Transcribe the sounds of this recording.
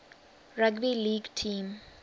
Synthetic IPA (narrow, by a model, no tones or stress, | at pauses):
raɡbiliɡtʰĩm